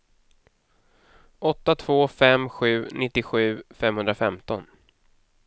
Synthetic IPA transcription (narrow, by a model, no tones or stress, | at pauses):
ʔɔt̪ːat̪ʰv̥oːfɛmɧʉ̟ːnɪt̪ːɪɧʉ̟ːfɛmhɵnd̪ɾafɛmt̪ɔn